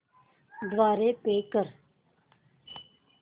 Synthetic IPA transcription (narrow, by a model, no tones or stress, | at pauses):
d̪ʋaːɾeːpeːkəɾ